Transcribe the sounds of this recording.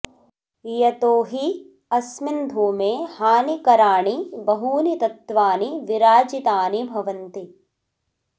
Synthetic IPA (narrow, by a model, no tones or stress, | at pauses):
jɐt̪oːɦi | ɐsmind̪ʱoːmeːhaːnikɐɾaːɳibɐɦuːnit̪ɐt̪ʋaːniʋiɾaːd͡ʒit̪aːnibʱɐʋɐnt̪i